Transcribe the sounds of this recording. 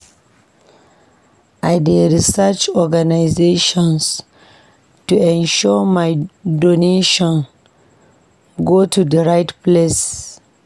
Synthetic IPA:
ʔajdeɾisɛt͡ʃɔɡanajzeʃɔ̃ns | tuɛ̃nʃɔmajdoneʃɔ̃n | ɡotʰudəɹajtples

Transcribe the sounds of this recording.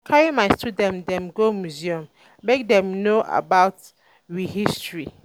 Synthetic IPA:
kʰaɹimaɪstudɛ̃mdɛ̃mɡomjuziɔ̃m | mek̚dɛ̃mnoʔa̰baʊt | ɹihistɹi

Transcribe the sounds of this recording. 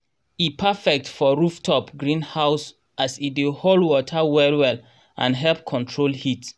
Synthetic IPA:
ipʰafɛk̚tfɔɹuftʰɔpɡɹĩnhaʊs | ʔasideholwɔtʰəwɛlwɛl | ʔã̰nɦɛlp̚kʰɔ̃ntʰɹolhit

